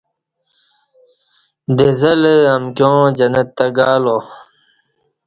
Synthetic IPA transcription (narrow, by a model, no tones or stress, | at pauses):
d̪ezɐlɐmkjõːd͡ʑɐnɐt̪ːɐɡaːlõ